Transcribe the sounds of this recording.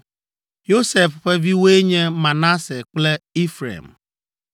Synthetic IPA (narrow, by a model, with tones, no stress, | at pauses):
jo˦se˨fɸe˦vi˦we˦ɲe˦ma˨na˦se˨k͡ple˦i˦fɾḛ˨m̩˨